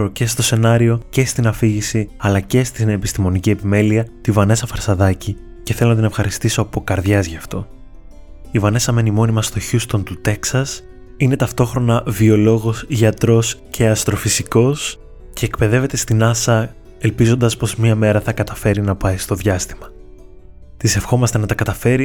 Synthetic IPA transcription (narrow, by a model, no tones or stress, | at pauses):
ɾoce̞st̪o̞se̞nɐɾio̞ce̞st̪inɐfiʝisiɐlɐce̞st̪ineːpist̪imo̞nicie̞pime̞liɐt̪ivɐne̞sɐfɐɾsɐðɐci | ceθe̞lonɐt̪ine̞fxɐɾist̪iso̞ɐpo̞kɐɾðʝɐzʝɐft̪o̞ | ivɐne̞sɐme̞nimo̞nimɐst̪o̞çust̪o̞nt̪ut̪e̞ksɐs | ine̞t̪ɐft̪o̞xɾo̞nɐvio̞lo̞ɣo̞sʝɐt̪ɾo̞scʰe̞ɐst̪ɾo̞fisiko̞s | ce̞ːkpe̞ðe̞ve̞t̪e̞st̪inɐsɐ | e̞lpizo̞nd̪ɐspo̞zmɲɐme̞ɾɐθɐkɐt̪ɐfe̞ɾinɐpɐjst̪o̞ðʝɐst̪imɐ | t̪ise̞fxo̞mɐst̪e̞nɐt̪ɐkɐt̪ɐfe̞ɾi